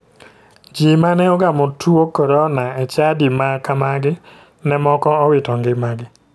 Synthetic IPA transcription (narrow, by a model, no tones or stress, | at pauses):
d͡ʒimanɛɔɡamɔtʰuokɔɾɔnaɛt͡ʃadimakamaɡɪ | nɛmɔkɔɔwɪtɔŋɡɪmaɡɪ